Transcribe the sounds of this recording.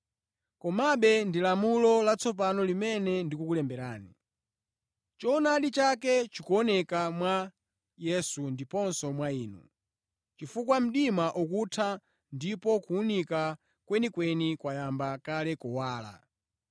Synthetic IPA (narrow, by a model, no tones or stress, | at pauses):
kɔmaɓɛndilamulɔlat͡sɔp̬anɔlimɛnɛndikukulɛmbɛɾaːni | t͡ʃɔnaɗit͡ʃakɛt͡ʃikuɔnɛkamwa | jɛsundipɔnsɔmwaiːnṵ | t͡ʃifukwam̩ɗimaʔukutʰa | ndipɔkuːnika | kwɛnikwɛnikwajambakalɛkɔwaːla̰